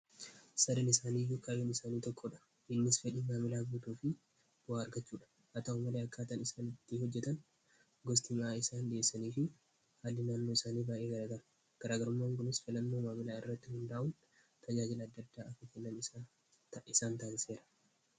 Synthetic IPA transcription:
sɐd̪ɐnɪsaːniːjːukʰajoːnɪsaːniːt̪ɔkːɔᶑɐ̥ | ɪnːɪsfɛᶑiːmaːmɪlaːɡut̪uːfɪ | b̥ʊaːɐɾɡɐt͡ʃːuːᶑɐ̥ | hɐt̪ɐumːɐleɐkːaːt̪ɐnɪsaːnɪt̪ːɪɦɔd͡ʒːɛt̪ɐn | ɡɔst̪ɪmaːɪsaːnd̪ɪesːɐniːfɪ | had̪ɪnaːnːoːɪsaːniːbaːjʔeːɡɐlɐt̪ɐn | ɡ̥ɐɾaːɡɐɾʊmːaːŋɡʊnɪsfɪlɐnːo̞ːmaːmɪlaːɪrːɐt̪ːɪhʊnd̪aːʔʊn | t̪ʰɐd͡ʒaːd͡ʒɪlɐːd̪ːɐd̪ːaːɐkɐkɛnːɐnɪ | ɪsaːnt̪aːnse̞ːɾɐ̥

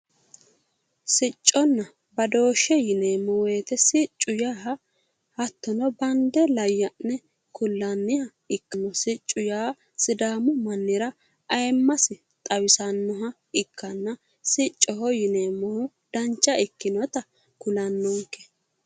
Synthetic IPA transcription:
sɪt͡ʃʼːɔnːɐ | bɐd̪o̞ːʃɛjɪneːmːɔweːt̪ɛsɪt͡ʃʼːʊjaːɦɐ | hɐt̪ːɔnɔbɐnd̪ɛlɐjːɐʔɛ | kʊlːɐnːɪhɐ | ɪkːɪnːɔsɪt͡ʃʼːʊjaː | sɪd̪aːmʊmɐnːɪɾɐ | ɐjmːɐsɪ | t̪ʼɐwɪsɐnːɔɦɐ | ɪkːɐnːɐ | sɪt͡ʃʼːɔɦɔjɪneːmːɔhʊ | d̪ɐnt͡ʃːɐɪkːɪnɔt̪ɐ | kʊlɐnːɔŋkːɛ̥

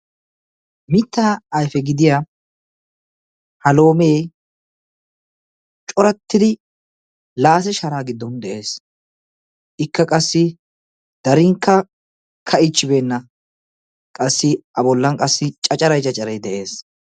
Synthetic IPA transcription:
mɪt̪ːaːjfɛɡɪd̪ɪjaː | hɐlo̞ːmeː | t͡ʃʼɔɾɐt̪ːɪd̪ɪ | laːs̬ɛʃɐɾaːɡɪd̪ːɔnd̪ɛʔe̞ːs | ʔɪkːɐkʼɐsːɪ | d̪̥ɐɾɪŋkːɐ | kʰɐɪt͡ʃːɪbe̞ːnːɐ | kʼɐsːɪɐbɔlːɐŋkʼɐsːɪt͡ʃʼɐt͡ʃʼɐɾɐjt͡ʃʼɐt͡ʃʼːɐɾɐjd̪ɛʔe̞ːs

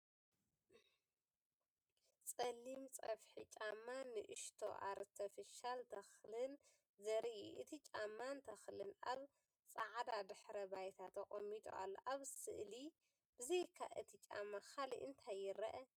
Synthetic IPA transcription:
t͡sʼɐlːimt͡sʼɐfħit͡ʃʼamːanɨʔɨʃt̪ʰo̰ʔa̰ɾt̪ʰɐfɐʃalt̪ʰɐxlɨn | zɐɾiʔḭʔɨt̪ʰit͡ʃʼamːant̪ʰɐxlɨnʔaβ | t͡sʼaʕd̪ad̪ɨħɾɐbajt̪ʰat̪ʰɐχʼomːit̪ʼo̰ʔa̰lːo̰ʔaβsɨ̰ʔli | b̥ɨzejkʰa̰ʔɨt̪ʰit͡ʃʼa̰mːaxalḭʔɨ̰nt̪ʰajːɪɾɐʔɐ

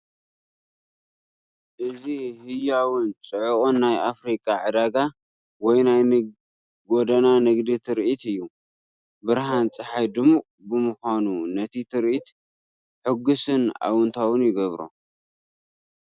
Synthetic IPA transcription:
ʔɨzihɨjawɨnt͡sʼɨʕukʼonːajʔafɾikʼaʕɨd̪aɡa | wɔjnaj | ɡod̪ɐnanɨɡd̪it̪ʰɨɾʔit̪ɨjːu | bɨɾɦant͡sʼɨħajd̪ɨmuʔʼ | bɨmʊxʷanunɐt̪ʰit̪ʰɨɾʔit̪ | ħɨɡusɨna̰wʊnt̪ʰawɨnjɪɡɐβɾo̰

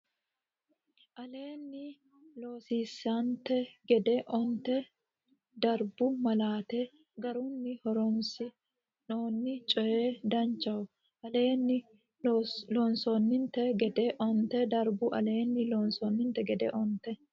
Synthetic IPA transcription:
ʔɐle̞ːnːɪ | lo̞ːsiːsːɐnt̪ɛɡɛd̪ɛʔɔnt̪ɛ | d̪ɐɾbʊmɐlaːt̪ɛ | ɡɐɾʊnːɪhɔɾɔmsɪ | no̞ːnːɪt͡ʃʼɔjeːd̪ɐnt͡ʃːɐwʊ | ʔɐle̞ːnːɪ | loːnsonːɪnt̪ɛɡɛd̪ɛʔɔnt̪ɛd̪ɐɾbʊʔɐ̰le̞ːnːɪloːnsonːɪnt̪ɛɡɛd̪ɛ̰ʔɔnt̪ɛ

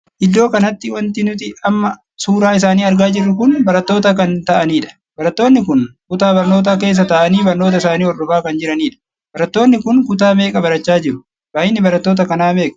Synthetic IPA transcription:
ʔɪd̪ːo̞ːkɐnɐt̪ːɪwɐnt̪ɪnʊt̪ɪɐmːɐ | suːɾaːɪs̬aːniːɐɾɡaːd͡ʒɪrːʊkʊnbɐɾɐt̪ːo̞ːt̪ɐkɐnt̪ɐʔɐniːᶑɐ̥ | bɐɾɐt̪ːo̞ːnːɪkʊnkʊt̪aːbɐɾno̞ːt̪̬aːk̬e̞ːs̬ːɐt̪ɐʔɐniːbɐɾno̞ːt̪̬ɐɪsaːniːɔrːʊbaːkɐnd͡ʒɪɾɐniːᶑɐ | b̥ɐɾɐt̪ːo̞ːnːɪkʊnkʊt̪aːme̞ːkʼɐbɐɾɐt͡ʃːaːd͡ʒɪɾʊ̥ | baːjɪnːɪbɐɾɐt̪ːo̞ːt̪ɐkɐnaːme̞ːkʼɐ̥

